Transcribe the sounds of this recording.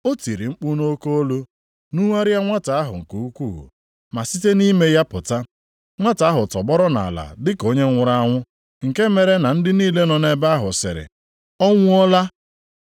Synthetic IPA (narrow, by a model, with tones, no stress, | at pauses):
o˦ti˨ɾi˨ŋ͡m̩˦k͡pu˦no˦ko˦o˦lo˦ | nu˦ŋa˦ɾja˦ŋʷa˦ta˨a˦ɦʊ̰˨ŋ̩˨ku˨u˦kʷu˦˨ɣṵ˨ | ma˨si˦te˦ni˦me˦ja˦pʊ˨ta˦ | ŋʷa˦ta˨˦ɦʊ˨tɔ˨bɔ˦ɾɔ˦na̰˨a˨la̰˨dɪ˦ko˦ɲe˦ŋʷʊ˦ɾa˦a˦ŋʷʊ˦ | ŋ̩˨ke˦me˨ɾe˦na˨n̩˦dɪ˦niː˦le˦nɔ˨ne˦ba˦a˦ɦʊ˨sɪ̰˨ɾɪ̰˨ | ɔ˦ŋʷʊ˦ɔ˦la˦